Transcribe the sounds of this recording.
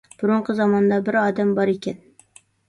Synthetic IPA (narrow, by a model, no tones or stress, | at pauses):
b̥ʊɾʊɴqʰɨzɒmɒnd̪ɑbɪɾɒd̪æmbɒɾekʲɛn